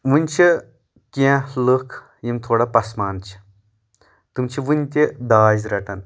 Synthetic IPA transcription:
ʋɨnʲt͡ʃʰi | kʲẽləkʰ | jimt̪ʰoːɽɐpɐsmaːnt͡ʃʰi̥ | t̪umt͡ɕʰiʋɨnʲt̪ʲed̪aːzʲɾɐʈɐn

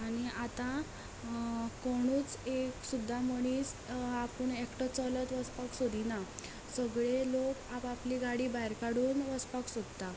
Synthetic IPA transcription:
aɽ̃iat̪ã | kɔɽ̃uːt͡seksud̪ʱːaməɽ̃iːsapəɳekʈət͡sɔlət̪ʋəspaksod̪ina | səɡɭelokapapliɡaɽiːbajɾkaɽuːnʋəspaksod̪t̪a

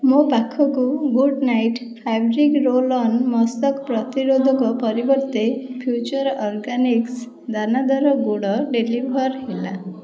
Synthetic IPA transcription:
mobakʰɔkuɡuɖnajʈpʰabɾikɾolɔnmɔst̪ɔkpɾɔt̪iɾod̪ʱɔkɔpɔɾibɔɾt̪epʰjut͡ʃɔɾɔɾɡaniks | d̪anad̪ɔɾɔɡuɽɔɖelibʱɔɾɦela̰

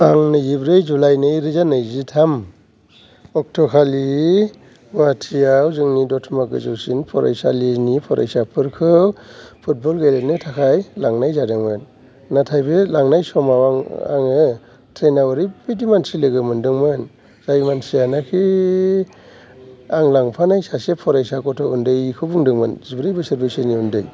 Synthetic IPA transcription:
aŋnɯjibɾɯjzulajnɯɾɯzanɯjzitʰam | ɔk̚tʰɔkʰali | watʰijawzɯŋnidɔtʰmaɡɯ̰zɯwsinpʰɔɾa̰jsa̰liznipʰɔɾʔa̰jsapʰɯɾkʰɯpʰut̚bɔlɡajlenɯtʰakʰajlaŋnajzadɯŋmɯnː | atʰajbelaŋnajsɔmawaŋa̰ŋɯ | tʰɾenawɯɾɯbidimansilɯɡɯmɯndɯŋmɯn | z̥ajmansijanakʰi | aŋlaŋpʰanajsasepʰɔɾajsakɔtʰɔundɯjkʰɯbuŋdɯŋmɯnzibɾɯjbɯsɯɾbejseniundɯj

